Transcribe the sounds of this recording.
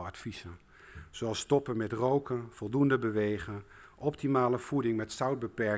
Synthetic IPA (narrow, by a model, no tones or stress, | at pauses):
ɑtfisən | soɑlˠstɔpənmɛtrowkənfɔlˠdundəbəʋejχən | ʔɔptimaːləfudɪŋmɛtsawd̚bəpɛ